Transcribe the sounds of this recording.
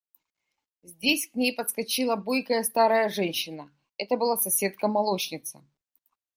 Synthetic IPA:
zʲdʲesʲknʲejpət̪skɐt͡ɕilˠəbojkəjəst̪aɾəjəʐɛnʲɕːɪnə | ɛt̪əbɨlˠasɐsʲe̞t̪̚kəmɐlˠot͡ɕnʲɪt̪sɨ̰

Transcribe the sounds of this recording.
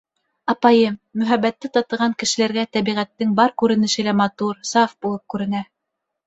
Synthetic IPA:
ɑpɑjɤmːɵ̆ɦæβːæt̪ːɘt̪ɑt̪ɤ̆ʁɑŋkɘ̆ʃɘ̆læɾɡæt̪æβiʁæt̪ːɘŋbɑɾkʉɾɘ̆nɘ̆ʃɘ̆læmɑt̪uɾsɑfbulˠɤp̚kʉɾɘ̆næ

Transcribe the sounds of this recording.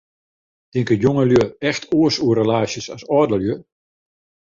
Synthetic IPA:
d̥ɪŋkəjoŋəljøɛxtʰoəsuərəlaːʃjəsasɔːdəljø

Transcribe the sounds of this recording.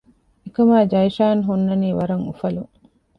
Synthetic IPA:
ekɐmaːd͡ʒɐjʃaːnɦunːɐniːʋɐɾɐŋufɐlu

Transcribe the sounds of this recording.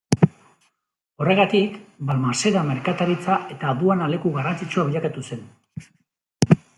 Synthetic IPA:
o̞re̞ɣat̪ikbalmase̞ɾame̞ɾkat̪aɾit͡sae̞t̪aːðuanale̞kuɣarant͡sit͡ʃuaβiʎakat̪use̞n

